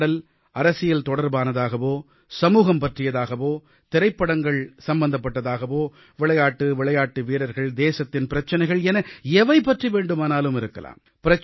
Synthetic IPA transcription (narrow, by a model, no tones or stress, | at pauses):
ɽɐl | ɐɾɐsɪjɐlt̪ɔɽɐɾbaːnɐðaːɣɐʋoː | sɐmuːɣɐmpɐʈrɪjɐðaːɣɐʋoː | t̪ɪɾɐɪpːɐɽɐŋɡɐɭsɐmbɐnd̪ɐp̬ːɐʈːɐðaːɣɐʋoː | ʋɪɭɐjaːʈːɯʋɪɭɐjaːʈːɯʋiːɾɐɾɣɐɭd̪eːsɐt̪ːɪnpɪɾɐt͡ʃːɐnɐɪɣɐɭɛnɐɛʋɐɪpːɐʈriʋeːɳɖɯmaːnaːlɯmɪɾɯkːɐ̰la̰ːm | pɪɾɐ